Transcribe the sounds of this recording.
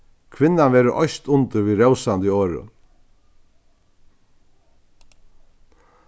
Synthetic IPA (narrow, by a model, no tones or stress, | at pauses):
kʰʋɪnːanʋɛːɾəʔɔjst̪ʊnt̪ɪɾʋiːɾœwsant̪ɪoːɾʊ̰n